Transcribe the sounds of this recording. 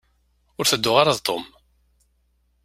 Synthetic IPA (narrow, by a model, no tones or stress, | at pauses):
ʊɾθəd̪ːʊʁaɾaðt̪ˤːom